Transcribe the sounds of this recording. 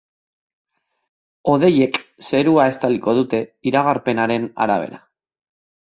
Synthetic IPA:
o̞ð̞e̞je̞kse̞ɾuae̞st̪aliko̞ðut̪e̞iɾaɣaɾpe̞naɾe̞na̰ɾa̰β̞e̞̰ɾa

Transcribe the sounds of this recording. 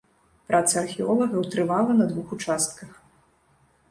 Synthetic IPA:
pɾʔat̪sɐɐrxʲiɔlˠɐɣɐwt̪ɾɨvalˠɐnɐd̪vuxut͡ʂast̪kɐx

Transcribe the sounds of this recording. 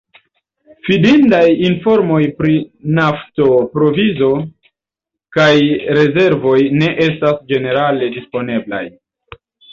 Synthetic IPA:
fidindajinfo̞ɾmo̞jpɾinafto̞pɾo̞vizo̞ | kajɾe̞ze̞ɾvo̞jne̞ʔe̞stasd͡ʒe̞ne̞ɾale̞dispo̞ne̞bla̰j

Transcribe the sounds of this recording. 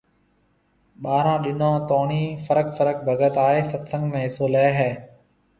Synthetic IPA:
ɓaːɾãːɗɪnõːt̪oːɳiːfəɾəkfəɾək̚bʱəɡət̪aːɦeːsət̪sə̃ŋɡmẽːɦɪsoːlɛːɦɛː

